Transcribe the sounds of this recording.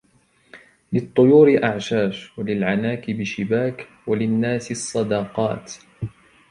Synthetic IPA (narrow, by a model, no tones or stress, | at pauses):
lɪt̪ˤːʊjuːɾɪʔaʕʃaːʃwalɪlʕanaːkɪbɪʃɪbaːk | walɪnːaːsɪɑsˤːɑd̪ɑːqɑ̰ːt̪